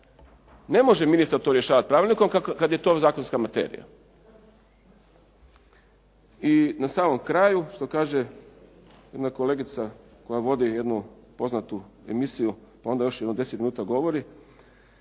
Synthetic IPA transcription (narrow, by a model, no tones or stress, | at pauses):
ne̞mo̞ʒeminist̪aɾt̪oɾjeʃaːʋat̪̚pɾaːʋilʲniko̞mkakad̪je̞t̪ozaːkonskamat̪ḛːɾḭja̰ | inasaːmo̞mkɾaːjuʃt̪o̞kaːʒe̞ | je̞d̪nako̞le̞ːɡit̪sa | ko̞jaʋo̞d̪ije̞d̪nupo̞znat̪uḛmisijupao̞nd̪ajo̞ʃjed̪nod̪e̞set̪minuːt̪aɡo̞ʋo̞ɾi